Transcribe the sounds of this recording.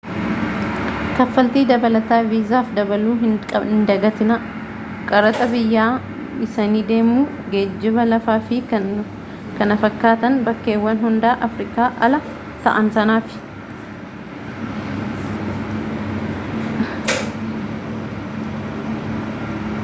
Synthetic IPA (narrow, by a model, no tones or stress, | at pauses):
t̪ɐfːɐlt̪iːd̪ɐbɐlɐt̪aːviːzaːfd̪ɐbɐluːɦɪɐɪnd̪ɐɡɐt̪ɪnɐ | kʼɐɾɐt̪ʼɐbɪjːaː | ɪsɐniːd̪e̞ːmuː | ɡeːd͡ʒːɪβɐlɐfaːfɪ | kɐnɐfɐkːaːt̪ɐnbɐkːe̞ːwːɐnɦʊnd̪aːʔɐfɾɪkʼaːʔɐlɐ | t̪ɐ̰ʔɐnsɐnaːfɪ̥